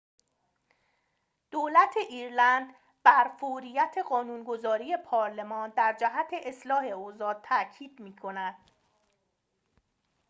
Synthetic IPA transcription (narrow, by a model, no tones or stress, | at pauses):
d̪̥oːlæt̪ʰe̞ʔiːɾlænd̪ | bæɾfoɾijæt̪ʰe̞ɢɒːnuːnɡo̞zɒːɾije̞pʰɒːɾle̞mɒːnd̪æɾd͡ʒæɦæt̪ʰe̞ʔeslɒːhe̞ozɒːt̪̚ʰːæcʰiːd̪̥miːkʰo̞næd̪̥